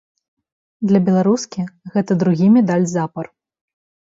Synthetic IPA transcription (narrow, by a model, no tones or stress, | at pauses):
d̪lʲɐbʲɛlˠaɾuskʲiɣɛt̪ɐd̪ɾuɣʲimʲɛd̪alʲzapɐr